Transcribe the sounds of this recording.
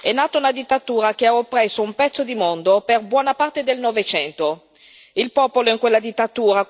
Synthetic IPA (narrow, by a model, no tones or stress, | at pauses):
ɛnːaːt̪oaunad̪it̪ːat̪uːɾak̟eaopːɾɛsoumpɛt̪sːod̪imond̪operbwɔːnapart̪ed̪elnɔvet͡ʃɛnt̪o | ilpɔːpoloiŋkwelːad̪it̪ːat̪uːɾa